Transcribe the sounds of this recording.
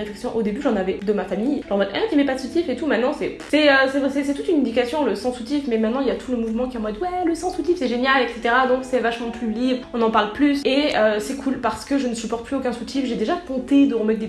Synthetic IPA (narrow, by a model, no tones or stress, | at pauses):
ʁeflɛksjɔ̃ʔod̪ebyʒɑ̃navɛd̪əmafamijʒɑ̃mɛt̪ɛ̃k̪ʲimɛpatsut̪ifet̪umɛ̃t̪nɑ̃sɛ | sɛøsɛvɛsɛsɛt̪ut̪ynɛ̃d̪ikasjɔ̃ləsɑ̃sut̪ifmɛmɛ̃t̪nɑ̃iljat̪ʰuləmuvmɑ̃kʲiamwad̪wɛləsɑ̃sut̪ifsɛʒenjalɛkset̪eʁad̪ɔ̃ksɛvaʃmɑ̃plylibʁəɔ̃nɑ̃paʁlplyseøsɛkʰulpaʁsə̥kəʒənəsypɔʁt̪̚pʰlyokʲɛ̃sut̪ifʒed̪eʒat̪ɔ̃t̪ed̪əʁəmɛt̪̚d̪e